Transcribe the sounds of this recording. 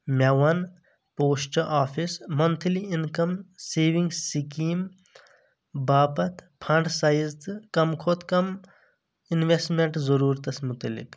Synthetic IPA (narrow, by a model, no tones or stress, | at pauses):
mʲɐwɐn | poːsʈɐʔaːpʰismɐnt̪ʰliinkɐmseːʋiŋɡsikiːm | baːpɐt̪ʰpʰɐɳɖsajizt̪ɨkɐmkʰoːt̪ʰkɐm | inʋesʈmeɳʈzɐɾuːɾt̪ɐsmut̪ɐlḭk